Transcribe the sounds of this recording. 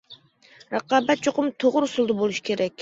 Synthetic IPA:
ɾɑqɑːbat̪̚t͡ʃoqʊmt̪ʰoʁʊɾsulˠd̪ʊbolˠuʃi̥kʲʰe̞ɾɛkʲ

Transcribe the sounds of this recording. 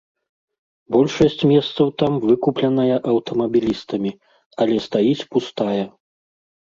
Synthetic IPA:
bɔlʲʂɐsʲt͡sʲmʲɛst̪sɐwt̪amvɨkuplʲɐnɐjɐʔɐwt̪ɐmɐbʲilʲist̪ɐmʲi | ɐlʲɛst̪ajit͡sʲpust̪ajɐ

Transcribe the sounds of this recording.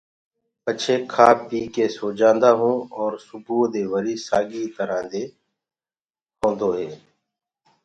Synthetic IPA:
pət͡ʃʰeːkʰaːp̚biːkeːsoːd͡ʒãːnd̪aːɦũːɔːɾsʊbʱuːd̪eːʋəɾiːsaːɡiːt̪əɾãːd̪eː | hʰõːnd̪oːɦeː

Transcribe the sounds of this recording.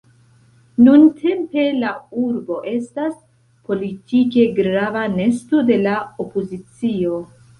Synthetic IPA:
nuntʰe̞mpe̞lauɾbo̞ʔe̞stas | po̞litike̞ɡɾavane̞sto̞de̞lao̞pozit͡sio̞

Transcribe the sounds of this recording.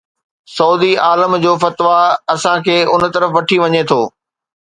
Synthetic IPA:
sɐuːd̪iaːləmd͡ʑoːfɐt̪ʋaɐsãkʰeːʊn̆t̪ɐɾəfʋɐʈʰiʋɐɲet̪ʰoː

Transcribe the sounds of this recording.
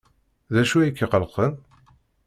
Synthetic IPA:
ðæʃuikːəqəlqən

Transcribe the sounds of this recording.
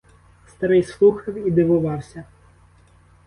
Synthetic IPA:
st̪ɐɾɪjslˠuxɐwid̪ɪʋʊʋɑwsʲɐ

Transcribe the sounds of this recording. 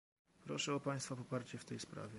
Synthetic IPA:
pɾɔʂɛɔpaj̃st̪fapɔpaɾt͡ɕɛft̪ɛjspɾa̰vʲjɛ

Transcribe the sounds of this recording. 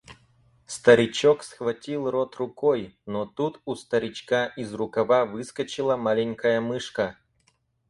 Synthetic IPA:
st̪əɾʲɪt͡ɕoksxvɐtʲilˠrot̪rʊkojnot̪ut̪ust̪əɾʲɪt͡ɕkaʔizrʊkɐvavɨskət͡ɕɪlˠəmalʲɪnʲkəjəmɨʂkə

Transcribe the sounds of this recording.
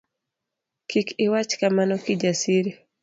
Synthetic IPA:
kikɪwat͡ʃkamanɔkid͡ʒasiɾi

